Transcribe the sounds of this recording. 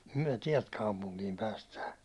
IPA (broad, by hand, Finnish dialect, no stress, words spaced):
myæ̹ tiɛlt kɑupuŋkiːm pæːstæː